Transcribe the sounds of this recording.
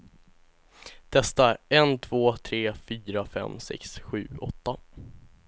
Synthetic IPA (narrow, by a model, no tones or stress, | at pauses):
d̪̥ʰɛst̪aɛnt̪ʰv̥oːt̪ʰɾeːfyːɾafɛ̰msɛ̰ksɧʉ̟ːɔt̪ːa